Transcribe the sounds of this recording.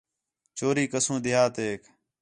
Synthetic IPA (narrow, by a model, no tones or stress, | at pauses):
t͡ʃoːɾiːkəsũːd̪ɪjaːt̪eːk